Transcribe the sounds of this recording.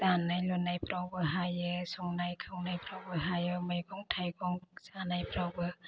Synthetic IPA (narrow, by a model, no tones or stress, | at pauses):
zanajlɔnːajpɾawbɯɦajɯsɔŋnajkʰɯwnajpɾawbɯɦajɯmajɡɔŋtʰajɡɔŋsanajpɾawbɯ